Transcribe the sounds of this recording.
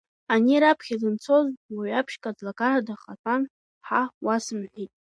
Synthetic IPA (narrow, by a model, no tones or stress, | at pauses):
aniɾapʰχʲazɨnt͡sʰo̞zwiɥapʰʃkʼadlakʼaradaχatʼan | ħawasɨmħʷitʼ